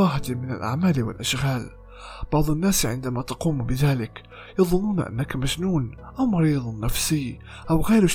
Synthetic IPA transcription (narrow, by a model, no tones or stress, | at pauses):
ɑːɦat̪mɪnalʔa̰ʕmaːlwɪ̰lʔaʃɣaːl | b̥ɑʕd̪ˤʊnːaːsʕɪnd̪amat̪ɑquːmbɪðaːlɪk | jɑðˤʊnːuːna̰ʔa̰nːakmad͡ʒnuːn | ʔawmɑɾiːðˤnːafsɪj | ʔawɣaːɾʊʃ